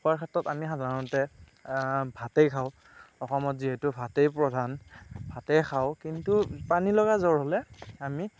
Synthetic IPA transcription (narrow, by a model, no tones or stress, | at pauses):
xɔaɹkʰatɔtamixadanɔtɛ | bʱatejkʰaʊ | ɔxɔmɔtziɦɛtʊbʱatejpɹɔdʱanbʱatejxʰaʊkintupanilɔɡazɔɹɦolɛami